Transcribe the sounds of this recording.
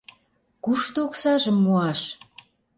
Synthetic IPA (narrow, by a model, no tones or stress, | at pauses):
kuʃt̪oksɑʒə̆mːuɑʃ